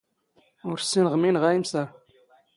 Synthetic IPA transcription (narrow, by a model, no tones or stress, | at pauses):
ʊɾsːinʁminʁæjimsæ